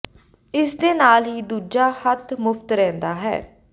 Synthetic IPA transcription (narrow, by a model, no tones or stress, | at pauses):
ɪsd̪eːnaːlɦiːd̪uːd͡ʒaːhət̪ʰmʊft̪ɾɛ̃ːnd̪aːɦɛ̰ː